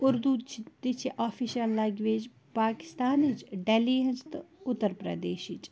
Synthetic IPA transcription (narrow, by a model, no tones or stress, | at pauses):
ʊɾd̪ut͡ʃʰt̪it͡ʃʰiʔaːfiʃɐlːaːɡʋeːd͡ʒ | paːkɪ̥st̪aːnit͡ʃɖeliːɐnst̪ɨʊt̪ːəɾpɾɐ̰d̪eːʃit͡ʃ